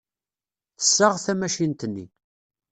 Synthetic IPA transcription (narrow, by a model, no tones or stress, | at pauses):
θə̥sːəʁθæmæʃint̪ənːḭ